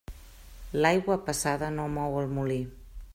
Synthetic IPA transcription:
lajɣwəpəsaðənomɔwəlˠmuli

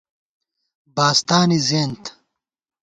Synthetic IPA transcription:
baːst̪aːnizeːnt̪

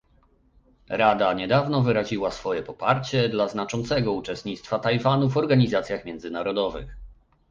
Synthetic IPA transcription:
ɾad̪aɲɛd̪avnɔvɘɾaʑiwasfɔjɛpɔpaɾt͡ɕɛd̪laznat͡ʂɔnt̪sɛɡɔut͡ʂɛst̪ɲit̪st̪fat̪ajvanuvɔɾɡaɲizat̪sʲjaxmʲjɛndzɘnaɾɔd̪ɔvɘ̰x

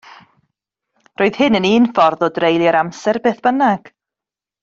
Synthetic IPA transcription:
rʔoːɨð̥hɨnəniːnfɔrðɔdrejlˠjəɾamsɛrbeːθb̥ənaɡ̥

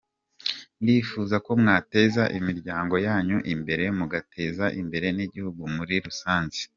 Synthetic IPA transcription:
ndifuːzako̞mŋaːte̞ːzaʔimiɾɟaːŋɡo̞jaːɲuʔimbe̞ɾe̞muɡatʰe̞ːzaʔimbe̞ɾe̞niɟihuɡumuɾiɾusaːnzi̥

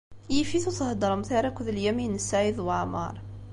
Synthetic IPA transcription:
jəfiθut̪əhd̪ɑɾˤmθæɾˤəkʊðəljæminəsæjəðwʕmɑ̰ɾˤ

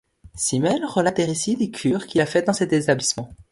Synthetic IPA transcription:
simɛlʁəlat̪eʁisid̪ekʲʰyːʁkʲilafɛt̚d̪ɑ̃sɛt̪et̪ablismɑ̃

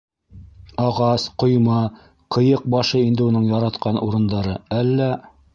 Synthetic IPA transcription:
ɑʁɑsqŏjmɑ | qʰɤ̆jɤq̚bɑʃɤind̪ɘunɤɴjɑɾɑt̪qɑnuɾɤ̆nd̪ɑɾɤælːæ

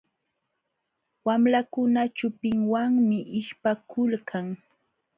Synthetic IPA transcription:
wamɾakʊnat͡ʃʊpɪŋwaŋmɪʔɪʃpakʊlkʰaŋ

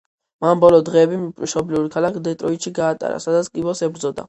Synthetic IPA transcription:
manbɔlɔd̪ʁɛːbimʃɔbliuɾikʰalakʰd̪ɛt̪ʼɾɔit̪ʃiɡaːt̪ʼa̰ɾa̰sad̪at̪skʼibɔsɛbɾd̪zɔd̪a̰

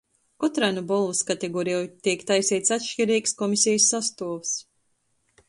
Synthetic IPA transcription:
kɔt̪ɾanubɔlˠvɨskat̪eɡɔɾijɔjt̪iɛkt̪ajsɛjt̪sat̪ʃt͡ʃiɾiːɡskɔmisʲɛjəsːast̪uɔvs

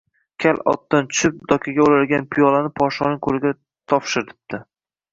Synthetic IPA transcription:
kʲʰalɒ̰t̪ːant͡ʃʰʊ̥ʃɪp̚d̪ɒkʲʰaɡʲaolad̪ɪɡʲanpʰɪjɒlanɪpʰɒʃɒnɪŋkʰolɪɡʲa | t̪ʰɒpʃɪɾt̪ʰɪ̥p̚d̪̥ɪ

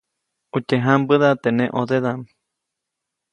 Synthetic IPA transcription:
ut͡ʃeɦãmbɨðat̪enẽʔoðeðam

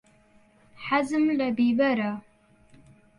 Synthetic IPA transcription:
ħazɨmlɐbiːbɐɾa

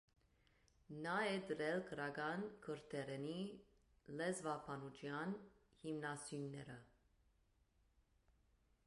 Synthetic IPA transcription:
nɑɛd̪əɾɛlkʰəɾɑɡɑnkʰəɾt̪ʰɛɾɛni | lɛzvɑpʰɑnut͡ʃʰjɑn | himnɑsjunːɛɾə

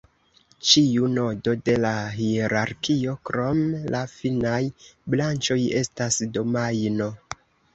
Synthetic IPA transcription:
t͡ʃiuno̞do̞de̞laɦieɾaɾkio̞kɾo̞mlafinajblant͡ʃo̞je̞̰stasdo̞majno̞

